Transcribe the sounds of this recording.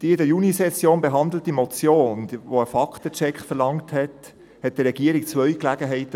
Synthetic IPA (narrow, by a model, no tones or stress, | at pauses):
d̥iəɪdəjunisɛsjoːnbeɦɑnd̪l̩timɔt͡sjoːnʋoəfɑkt̪ət͡ʃɛkχfəɾlɑŋthɛt | hɛt̚d̥əɾːɛɡ̥iəɾɪkt͡svœʏklæːɡəɦɛɪtə